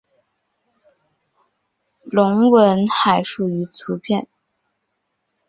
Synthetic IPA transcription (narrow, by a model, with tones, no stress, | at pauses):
lʊ˧˥ŋwə˧˥nxa˨˩ɪʂu˨˩y˧˥t͡sʰu˧˥pʰjɛ˥˩n